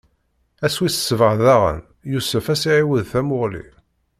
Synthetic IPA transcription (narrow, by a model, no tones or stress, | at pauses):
æswisə̥sːvəʁðæʁə̰n | jusəfæsiʕiwəðθæmʊʁlḭ